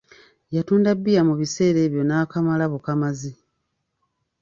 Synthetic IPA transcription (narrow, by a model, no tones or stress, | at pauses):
jatuːndabːijamuβise̞ːɾe̞ːβjo̞nakamalaβukamazi